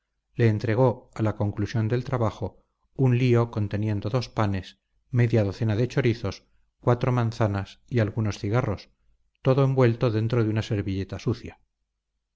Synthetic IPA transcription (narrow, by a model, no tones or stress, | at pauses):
le̞ːnt̪ɾe̞ɣ̞o̞alako̞ŋklusjo̞nd̪e̞lt̪ɾaβaxo̞ | unlio̞ko̞nt̪e̞nje̞nd̪oðo̞spane̞s | me̞ðjaðo̞θe̞naðe̞t͡ʃo̞ɾiθo̞s | kwat̪ɾo̞mãnθanasialɣuno̞sθiɣ̞arʔo̞s | t̪o̞ðoe̞mbwe̞lt̪o̞ðe̞nt̪ɾoðeunase̞ɾβiʎe̞t̪asuθja